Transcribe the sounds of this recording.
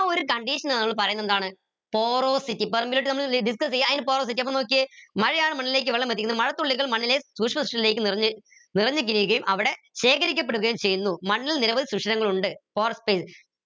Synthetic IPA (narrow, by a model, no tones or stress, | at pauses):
oɾukɐɳɖiʂɐnnɐmːɐɭpɐrɐjunːend̪aːɳɨ | po̞ːroːsitːipɐrmbiloʈːɨnɐmːɐɭɖis̬kɐsejːaɐːðinɨpo̞ːroːs̬itːiɐp̬ːɐmno̞ːk̬ːɨmɐɻɐjaːɳɨmɐɳːilileːkːɨʋeɭːɐmʋet̪ːikʲːunːɨmɐɻɐt̪ːuɭːiɣɐɭmɐɳːilesuːkʂɐmɐsu̥ʂɐle̞ːkːɨnrɐ | nirɐɲːɨk̬ːiɾiɣɐjumʔɐʋiɽe̞ | ɕe̞ːkɐɾik̬ʲːɐp̬ːeɽuɣɐjumt͡ɕejunːumɐɳːililniɾɐbɐðisukʂɐɾɐŋːɐɭuɳɖɨpoːrspeːs